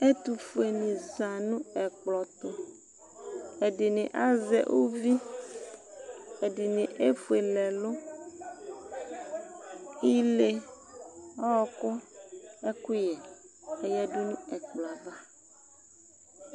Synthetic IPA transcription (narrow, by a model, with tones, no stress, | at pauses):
e˦t̪u˨fu˨e˨nĩ˨za˨nũ˦ɛ˨k͡plɔ˨t̪ʊ˦ | e˨di˨nĩ˨ʔa˦zɛ̰˨ʔo˦vi˦ | e˨di˨nĩ˨ʔe˦fu˨e˨lɛ˨lʊ˦ | i˦le˦ | ɔ˦˨kʊ˦e˦ku˦jɛ˨e˦jɛ˦dʊ˦nũ˦ɛ˨k͡plɔ˨va˦